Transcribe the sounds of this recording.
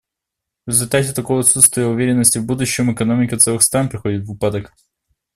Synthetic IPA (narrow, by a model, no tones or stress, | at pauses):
vɾʲɪzʲʊlʲt̪atʲɪt̪ɐkovəɐt̪sut̪st̪vʲɪjəʊvʲeɾʲɪnːəsʲtʲɪvbud̪ʊɕːɪmɨkɐnomʲɪkʲət̪sɛlˠɨxst̪ɾanpɾʲɪxo̞dʲɪt̪vɨpad̪ək